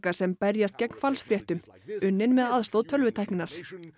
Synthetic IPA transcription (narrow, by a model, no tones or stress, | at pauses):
kasɛmpɛɾjast̪cɛkn̥falsfɾjɛht̪ʏmʏnːɪnmɛðaðst̪owðt̪ʰœlvʏt̪ʰajhknɪnaɾ̥